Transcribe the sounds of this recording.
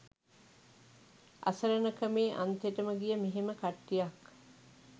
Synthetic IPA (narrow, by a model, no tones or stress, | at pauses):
ʔa̰səɾənəkəmeːʔa̰nt̪eʈəməɡijəmeɦeməkaʈːijak